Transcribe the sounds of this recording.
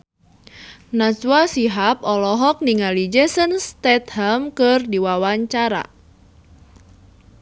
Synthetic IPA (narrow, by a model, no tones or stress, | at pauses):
naswasiɦap̚ɔlɔɦɔk̚niŋalid͡ʒɛsənst̪ɛt̪̚hɛmkɨrdiwawaɲt͡ʃaɾa̰